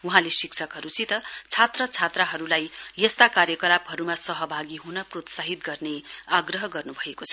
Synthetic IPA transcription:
uɦãlesiksʰʌkɦʌɾusit̪ʌt͡sʰat̪rʌt͡sʰat̪raɦʌɾulajjʌst̪akaɾjʌkʌlapɦʌɾumasʌɦʌbʱaɡiɦunʌprot̪saɦit̪ɡʌrneaɡrʌɦʌɡʌrnubʱʌekot͡sʰʌ

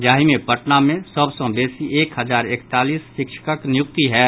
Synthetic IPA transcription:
d͡ʒaːɦimẽpəʈnamẽsəbsɔ̃beːsiʔeːkɦɐzaːɾekt̪aːliːsːɪkʃʰə̥kəknɪjʊk̚t̪iɦɛː

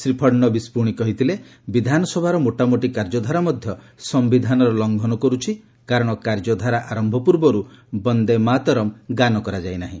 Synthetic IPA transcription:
sɾipʰɔɽnɔbispuɽ̃ikɔɦit̪ʰile | bid̪ʱanɔsɔbʱaɾɔmoʈamoʈikaɾd͡ʒɔd̪ʱaɾamɔd̪ʱjɔ | sɔmbid̪ʱanɔɾɔlɔŋɡʱɔnɔkɔɾut͡ʃʰi | kaɾɔɽ̃ɔkaɾd͡ʒɔd̪ʱaɾaʔaɾɔmbʱɔpuɾbɔɾubɔnd̪emat̪ɔɾɔmɡanɔkɔɾad͡ʒajnaɦḭ̃

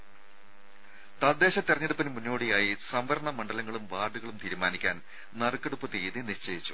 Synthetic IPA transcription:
t̪ɐd̪ːe̞ːɕɐt̪ːirɐɲːɐɽupːinɨmunːo̞ːɽijaːjisɐmʋɐɾɳɐmɐɳɖɐlɐŋːɐɭumʋaːɖuɣɐɭumt̪ʰiːɾumaːnikʲːaːn | nɐrɨkːeɽupːɨt̪ejðiniɕt͡ɕejit͡ɕːu̥

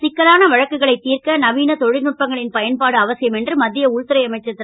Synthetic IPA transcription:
sɪkːɐlaːnɐʋɐɻɐkːɯɣɐɭɐɪt̪ːiːrkɐnɐʋiːnɐt̪ɔɻɪɾnʊʈ̚pɐŋɡɐɭɪnpɐjɐnpaːɽɯɐʋɐsɪjɐmɛndrɯmɐd̪ːɪjɐʊɻt̪ɪɾɐɪɐmɐɪt͡ʃːɐt̪ːɪ

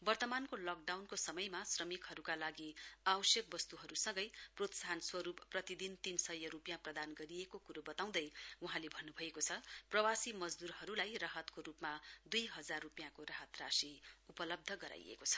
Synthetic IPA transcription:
bʌrt̪ʌmankolʌk̚ɖawnkosʌmʌjmasrʌmikhʌɾukalaɡiawʌsjʌk̚bʌst̪uɦʌɾusʌŋɡʌjprot̪saɦʌnswʌɾupːrʌt̪id̪int̪insʌjːʌrupjãprʌd̪anɡʌɾiekokuɾobʌt̪aw̃d̪ʌjwuɦãlebʱʌnːubʱʌekot͡sʰʌprʌwasimʌd͡zd̪uɾɦʌɾulajraɦʌt̪koɾupmad̪ujɦʌd͡zarːupjãkoraɦʌt̪rasiupʌlʌb̚d̪ʱʌɡʌɾa̰jḛkot͡sʰʌ̥

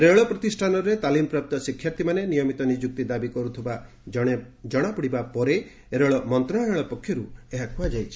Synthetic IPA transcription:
ɾeɭɔpɾɔt̪isʈʰanɔɾet̪alimpɾap̚t̪ɔsikʰːjaɾt̪ʰimanenijɔmit̪ɔnid͡ʒuk̚t̪id̪abikɔɾut̪ʰiba | d͡ʒɔɽ̃apɔɽibapɔɾe | eɾeɭɔmɔnt̪ɾɔ̃eɭɔpɔkʰːjɔɾueɦakʰuad͡ʒajt͡ʃʰi̥

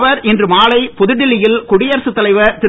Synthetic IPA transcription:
ʋɐɾʔɛndrɯmaːlɐɪpɔðɯɽɪlɪjɪlkʊɽɪjɐɾsɯt̪ːɐlɐɪʋɐt̪ɪɾ

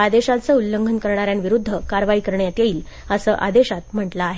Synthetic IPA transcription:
ad̪eɕat͡səulːəŋɡʱənkəɾɳ̃aɾjanʋiɾud̪ʱːəkaɾʋaikəɾɳjat̪jeiːl | əsəːʔad̪eɕat̪m̤əʈlaːɦe

